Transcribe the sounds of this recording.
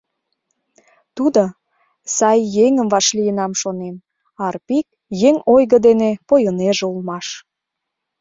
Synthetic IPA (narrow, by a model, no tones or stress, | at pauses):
t̪ud̪o | sɑjːeŋəmvɑʃlijənɑmʃonem | ɑrpik̚ | jeŋojɣəd̪enepojəneʒeulˠmɑʃ